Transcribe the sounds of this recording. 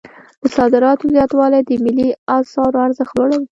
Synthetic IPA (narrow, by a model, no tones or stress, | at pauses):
d̪̥əsɑd̪ɪɾɑt̪ozjɑt̪wɑlajd̪əmɪliɑsɑɾoaɾzaxloɽawi